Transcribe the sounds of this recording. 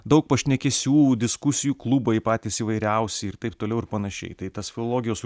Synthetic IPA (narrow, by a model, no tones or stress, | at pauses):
d̪ɐʊk̚pɐʃʲnʲɛkʲɛsʲuːd̪ʲɪskʊsʲɪjuːklˠubɐɪpɑːt̪ʲiːsiːʋɐɪɾʲɛʊsʲɪɪɾt̪ɐɪp̚t̪oːlʲɛʊɪɾpɐnɐʃʲɛ̰ɪt̪ɐɪt̪ɐsfʲɪlˠolˠoːɡʲɪjoːs